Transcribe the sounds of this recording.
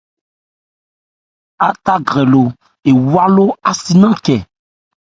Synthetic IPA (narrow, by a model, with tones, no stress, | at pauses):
a˨t̪a˦ɡɾɛ˨lo˨ | e˨wa˦lo˦a˨si˦nã˦kɛ˨